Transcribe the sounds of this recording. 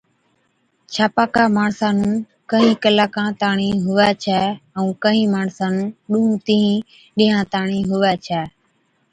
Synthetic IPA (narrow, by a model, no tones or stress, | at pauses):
t͡ʃʰaːpaːkaːmaːɳsaːnũː | kəɦĩːkəlaːkãːt̪aːɳĩːɦʊʋɛːt͡ʃʰɛːəũːkəɦĩːmaːɳsaːnũːɗʊɦũːt̪iɦĩː | ɗɪ̃ːɦãːt̪aːɳĩːɦʊʋɛːt͡ʃʰɛː